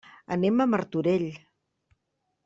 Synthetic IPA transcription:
ə̰neməmərt̪uɾeʎ

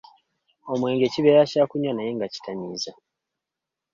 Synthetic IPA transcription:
o̞mwe̞ːŋɡe̞ːciβe̞ːɾacaːkuɲanajeːŋɡaci̥tʰaɲiːza

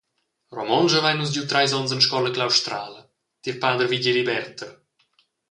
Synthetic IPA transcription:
rɔmɔnʒəvajnus̬ɟut̪ɾajzɔnsənʃkɔləklawʃt̪ɾaːlə | t̪iɾpaːd̪ərviɟilibɛrt̪ər

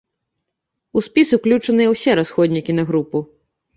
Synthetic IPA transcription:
uspʲiswklʲut͡ʂɐnɨjɛwsʲɛɾasxɔd̪ʲnʲikʲinɐɣɾupu

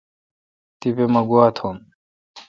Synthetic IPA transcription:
t̪ipemɐɡuat̪ʰom

